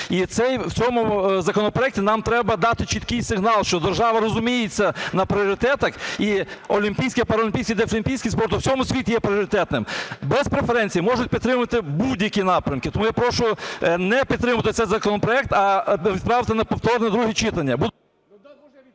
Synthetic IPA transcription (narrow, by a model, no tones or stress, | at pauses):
it̪sɛjwt͡sʲɔmʊzɐkɔnɔpɾɔɛk̚tʲɪnɑmt̪ɾɛbɐd̪ɑt̪ɪt͡ʃit̪kɪjsɪɣnɑlˠʃt͡ʃɔd̪erʒɑʋɐɾɔzʊmʲijɪt͡sʲːɐnɐpɾʲɪɔɾɪt̪ɛt̪ɐxiɔlʲimʲpʲijsʲkʲɪpɐɾɐlʲɪmpʲijsʲkʲɪid̪ɛlʲimʲpʲijsʲkʲɪspɔrt̪ʊw̥t͡sʲɔmʊsʲʋʲitʲɪjɛpɾʲɪɔɾʲɪt̪ɛt̪nɪmbɛspɾefeɾɛnʲt͡sʲijimɔʒʊt̚ʲpʲid̪ːɾɪmʊt̪ɪbudʲjɐkʲinɑpɾʲɐmkɪt̪ɔmujapɾɔʃʊnɛpʲid̪ɾɪmɐt̪ɪt̪sɛjzɐkɔnɔpɾɔɛk̚t̪ɐʋʲid̪pɾɑʋɪt̪ɪnɐpɔwt̪ɔrnʲɛd̪ɾuɦit͡ʃɪt̪ɐnʲːɐbu